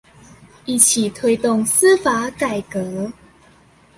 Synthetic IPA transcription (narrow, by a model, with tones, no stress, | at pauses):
i˥˩t͡ɕʰi˨˩t̪ʰwe˦˥ɪt̪o˥˨ŋs̩˦fa˧˦ka˨˩ɪkə˨˧˦